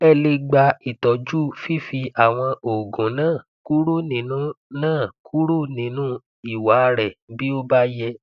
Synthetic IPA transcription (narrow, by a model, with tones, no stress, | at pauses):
ɛ˦˨le˧ɡ͡ba˧i˨tɔ˨d͡ʒu˦fi˦fi˧a˨w̃ɔ̃˧ʔo˨ɡũ˨nãː˦˨ | ku˦ɾu˦nĩ˨˦nũ˦ | nãː˦˨kʰu˦ɾu˦nĩ˨˦nũ˦ | i˨wa˨˦˧ɾɛ˨bi˦o˦ba˦jɛ˧